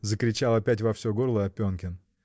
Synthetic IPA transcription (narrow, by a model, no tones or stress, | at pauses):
zəkɾʲɪt͡ɕalˠɐpʲætʲvɐfsʲoɡo̞rlˠəɐpʲonkʲɪn